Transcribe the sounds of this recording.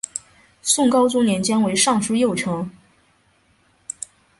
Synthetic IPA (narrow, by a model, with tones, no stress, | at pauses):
sʊ˥˩ŋkɑ˥ʊt͡sʊ˥njɛ˧˥nt͡ɕjɛ˥nwe˧˥ɪʂɑ˥˧ŋʂu˥jo˥˩ʊʈ͡ʂʰɤ˧˥ŋ